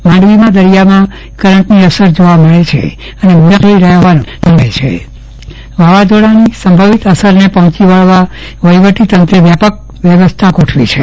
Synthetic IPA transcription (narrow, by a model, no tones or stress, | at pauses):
mãɳɖʋimãd̪əɾijamã | kəɾəɳʈniəsəɾd͡ʒoʋaməɭet͡ʃʰḛ | ənemuəkləiɾəɦɦʋanũnəɦet͡ʃʰḛ | ʋaʋad͡ʒoɽanisəmbʱəʋit̪əsəɾnepəɦɔ̃t͡ʃiʋəɭʋa | ʋəjʋəʈit̪ənt̪ɾəʋjapək̚ | ʋjəʋəst̪ʰakoʈʰʋit͡ʃʰe